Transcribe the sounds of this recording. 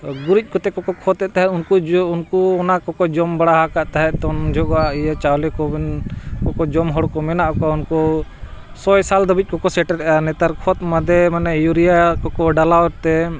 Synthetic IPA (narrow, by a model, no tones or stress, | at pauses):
ɡuɾic̚ˀkɔt̪ɛkɔkɔkʰɔt̪ːɛt̪aɦɛunkuunkuɔnakɔkɔd͡ʒɔmbaɽaɦakaʔt̪aɦɛʔt̪ɔnd͡ʒʱɔɡɔaʔijat͡ʃawlɛkɔbinkɔkɔd͡ʒɔmɦɔɽkɔmɛnaʔɔkaunkɔ | sɔjsald̪əbic̚ˀkɔkɔsɛʈɛɾɛʔanɛt̪aɾkʰɔt̪̚mad̪ɛmanajuɾijakɔkɔɖalawɔɾt̪ɛ